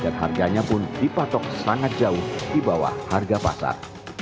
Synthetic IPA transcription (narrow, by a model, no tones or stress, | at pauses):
danɦa̰rɡaɲapʊndipat̪ɔk̚saŋat̪̚d͡ʒaʊhdibawa̰harɡapa̰sa̰r